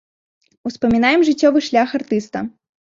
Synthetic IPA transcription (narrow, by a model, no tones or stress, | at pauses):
uspɐmʲinajɛmʐɨt͡sʲːɔvɨʂlʲaxart̪ɨst̪ɐ̰